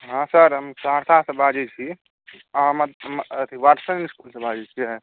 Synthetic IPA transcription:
ɦãsəɾɦəmsaɾt̪ʰasə̃bʱad͡ʒit͡ʃʰi | amad̪mət̪ʰiʋaʈsənnskulsə̃bʱad͡ʒɛd͡ʒt͡ʃʰiə

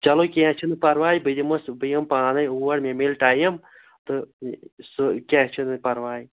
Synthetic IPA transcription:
t͡ʃɐlokẽt͡ʃʰinɨpɐɾʋaːjbɨd̪imɐsbɨjɐmpaːnɐjuːɐɽmẽmeːlʈaːjɐm | t̪ɨsɨkʲẽːt͡ʃʰinɨpɐɾʋaːj

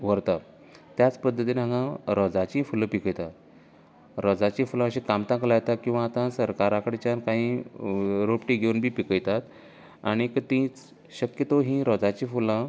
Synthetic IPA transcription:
ʋəɾt̪a | t̪jat͡spəd̪ʱːət̪̬inãɡãɾɔd͡zat͡ɕĩful̃pikəjt̪a | ɾɔd͡zat͡ɕĩfulãəɕĩkamt̪ãklajt̪akĩw̃ʋaːt̪ãsəɾkaɾãkəɽet͡ɕjankaɦĩː | ɾopʈiɡʱeunbʱiːpikəjt̪at̪ | aɽ̃ikət̪ĩt͡s | ɕəkjət̪oɦĩɾɔd͡zat͡ɕĩfulã

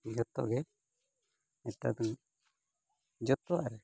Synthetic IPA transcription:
d͡ʒɔt̪ɔ̰ʔɡɛ | ɛt̪a̰d̪ɔŋ | d͡ʒɔt̪ɔwaʔɾɛ

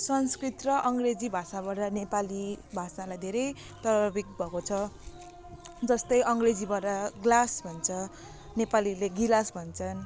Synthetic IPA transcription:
sʌnskrit̪rʌʔʌŋɡred͡zibʱasabaɾʌnepalibʱasalajd̪ʱeɾʌj | t̪ʌɾʌbik̚bʱʌkot͡sʰʌ | d͡zʌst̪ʌjʔʌŋred͡zibʌʈʌɡlasbʱʌnt͡sʰʌ | nepalileɡilasbʱʌnt͡sʰʌn

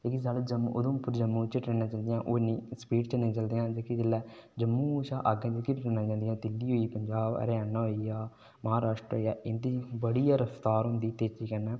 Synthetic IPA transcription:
d͡ʒeːkizald͡ʒəmʊd̪õːpʊɾd͡ʒəmːũːt͡ʃəʈɾeːnaːt͡ʃãːnd̪ɪjãːʔoːnĩːspiːʈt͡ʃəneãːt͡ʃəld̪ejãːd͡ʒekid͡ʒəlːɛːd͡ʒəmːũːt͡ʃaːʔaɡẽd͡ʒkiʈeːnãːt͡ʃãːnd̪ɪjãːt̪ɪlːiːɦoːiːpəɲd͡ʒaːb̰ɾaːnaɦoːijaː | məɦaːɾaːʃʈɾəjaːɪnd̪iːbəɽijaːɾəfʰt̪aːɾɦʊ̃nd̪iːt̪eːt͡ʃiːkəɾnɛː

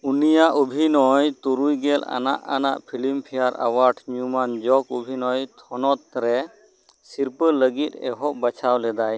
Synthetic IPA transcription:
unijaʔubʱinɔjt̪uɾujɡɛla̰na̰ʔana̰ʔpʰilimpʰijaɾa̰waɾʈʰɲumand͡ʒɔkubʱinɔjt̪ʰɔnɔt̪̚ɾɛ | siɾpələɡit̪̚ɛ̰ɦɔʔbət͡ʃʰawlɛd̪aj

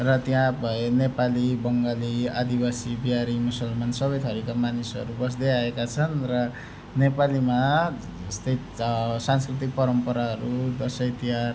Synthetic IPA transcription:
rʌt̪jãbʱʌenepalibʌŋɡaliad̪ibasibiaɾimusʌlmansʌbʌjt̪ʰʌɾikamanisʌ̰ɾubʌs̬d̪ʌjaekat͡sʰʌnrʌ | nepalima | ʌst̪ʌj | sanskrit̪̬ik̚pʌɾʌmpʌɾaɦʌɾud̪ʌsʌjt̪iɦar

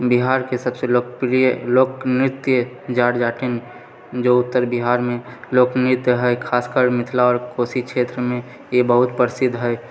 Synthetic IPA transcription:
biɦaːɾkesəbselok̚pɾijəloːknɾɪt̪jə | d͡ʒaːɽd͡ʒaːʈen | d͡ʒoːʊt̪ːəɾbiɦaːɾmẽloːknɪt̪jəɦɛjkʰaːskəɾmɪt̪ʰlaɔːɾkoːsikʃʰeːt̪ɾəmẽ | jebəɦʊt̪pəɾɪsɪd̪ʱɦɛɛ

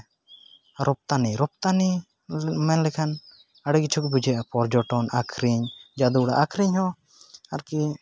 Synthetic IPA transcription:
ɾʔɔp̚t̪aniɾɔp̚t̪ani | mɛnlɛkʰan | aɽɛɡit͡ʃʰukbud͡ʒɛʔapɔɾd͡ʒɔʈɔnakʰɾiɲd͡ʒad̪uɽa̰ʔakʰɾiɲhɔ | aɾki

